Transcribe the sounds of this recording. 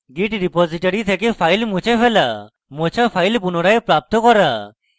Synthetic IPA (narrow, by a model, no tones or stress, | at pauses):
ɡiʈɖipɔziʈaɾit̪ʰekepʰajlmut͡ʃʰepʰela | mot͡ʃʰapʰajlpunɔɽaepɾap̚t̪ɔkɔɾa